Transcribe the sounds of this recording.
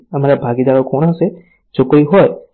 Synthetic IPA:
əmaɾabʱaɡid̪aɾokoɽ̃ase | d͡ʒokɽiɦɔj

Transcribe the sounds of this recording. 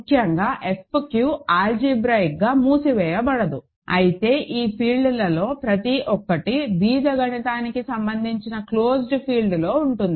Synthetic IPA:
kʰjɐŋɡaːʔespkjuːaːld͡ʒiːbɾɐjk̚ɡaːmuːsiʋɛːjɐbɐɽɐd̪u | ɐ̰jit̪e̞ːʔiːpʰiːlɖulɐlo̞ːpɾɐt̪iʔɔkːɐʈibiːd͡ʒɐɡɐnit̪aːnikisɐmbɐnd̪ʱiɲt͡ʃinɐkloːsɖpʰiːlɖlo̞ːuɳʈund̪i

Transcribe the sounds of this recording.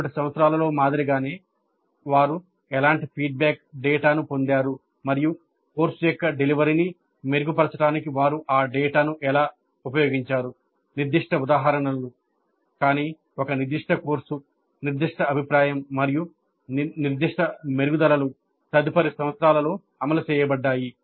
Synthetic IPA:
ɐʈisɐmʋɐt̪sɾaːlɐlo̞ːmaːd̪iɾiɡaːne̞ː | ʋaːɾu | ɛlaːɳʈipʰiːɖ̚bɛːk̚ɖɛːʈaːnupo̞nd̪aːɾu | mɐɾiju | ko̞ːɾsujɔkːɐɖeliʋɐɾini | meɾuɡupɐɾɐt͡ʃɐʈaːnikiʋaːɾuʔaːɖɛːʈaːnuʔɛlaː | upɐjo̞ːɡiɲt͡ʃaːɾu | niɾd̪iʂʈɐud̪aːɦɐɾɐɳɐlːu | kaːniː | ɔkɐniɾd̪iʂʈʰɐko̞ːɾsu | niɾd̪iʂʈʰɐɐbʱipɾaːjɐmːɐɾiju | niɾd̪iʂʈʰɐmeɾuɡud̪ɐlɐlu | t̪ɐd̪ipɐɾisɐmɐt̪sɾaːlɐlo̞ː | ɐmɐlɐt͡ʃɛːjɐbɐɖːaːji

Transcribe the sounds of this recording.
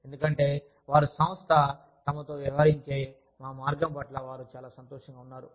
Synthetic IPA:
end̪ukɐɳʈe̞ː | ʋaːɾusɐm̃st̪ʰɐ | t̪ɐmɐt̪o̞ːʋjɐʋɦaɾiɲt͡ʃe̞ː | maːmaːɾɡɐmpɐʈlɐʋaːɾut͡ʃaːlaːsɐnt̪ɔːʂɐŋɡaːunːaːɾu

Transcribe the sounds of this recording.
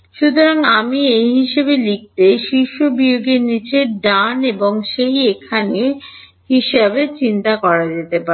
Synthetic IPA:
ʃut̪oɾaŋamiejɦiʃebelik̚t̪eʃiʃobioɡeɾnit͡ɕeɾɖaneboŋʃejekʰane | ɦiʃabet͡ɕint̪akɔɾad͡ʑet̪epa

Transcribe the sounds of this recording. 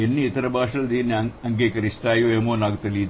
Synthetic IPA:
enːiit̪ɐɾɐbʱaːʂɐld̪iːneɐŋɡeːkɐɾist̪aːjoːeːmoːnaːɡt̪ɐli

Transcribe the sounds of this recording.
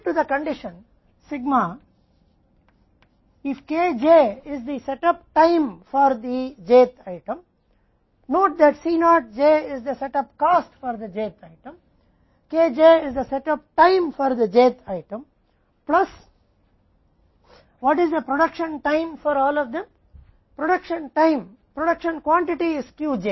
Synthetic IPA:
ʈud̪əkə̃ɳɖɪʃə̃n | sɪɡma | ɪfkeːd͡ʒeːɪzd̪isɛʈʌp̚ʈãɪ̃mfɔɾd̪id͡ʒeːt̪ʰaɪʈə̃m | noːʈ̚d̪æʈsinɔːʈ̚d͡ʒeːɪzd̪əsɛʈʌpkaːsʈfɔɾd̪əd͡ʒeːt̪ʰaɪʈə̃m | keːd͡ʒeːɪzd̪əsɛʈʌp̚ʈãɪ̃mfɔɾd̪əd͡ʒeːt̪ʰaɪʈə̃m | plʌs | ʋɔːʈɪzd̪əpɾoɖʌkʃə̃nʈãɪ̃mfɔɾɔːlɔʋd̪ẽm | pɾoɖʌkʃə̃nʈãɪ̃m | pɾoɖʌkʃə̃nkwɔ̃ɳʈɪʈiɪzkjuːd͡ʒeː

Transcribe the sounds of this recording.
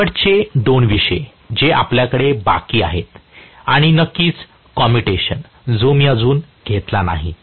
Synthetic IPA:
əʈt͡ɕeɖonʋiʂe | d͡ʑeʔa̰pljakəɽeba̰kiːa̰ɦet̪aɽ̃inəkːiːt͡s | kɔmiʈeɕən | d͡zomiːəd͡zuːn | ɡʱet̪lana̰ɦḭ

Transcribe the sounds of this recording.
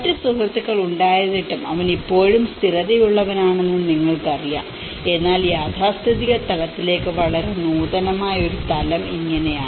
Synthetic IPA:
tːɨsuɦɐt̪ːikːɐɭuɳɖaːjɐðiʈːumɐʋɐnipːo̞ːɻumst̪iɾɐðɐjuɭːɐʋɐnaːɳe̞nːuniŋːɐɭkɨɐrija̰ːm | e̞nːaːljaːt̪ʰaːst̪ɐðiɣɐt̪ɐlɐt̪ːile̞ːkːɨʋɐɭɐɾenuːðɐnɐmaːjɐo̞ɾut̪ɐlɐmiŋːɐnejaː

